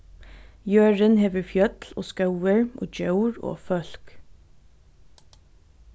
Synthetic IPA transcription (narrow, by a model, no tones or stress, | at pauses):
jøːɹənheːʋəɹfjœt̪lo̰ːskɑʊəɹʔo̰ːd͡ʒœʉɹo̰ːfœlk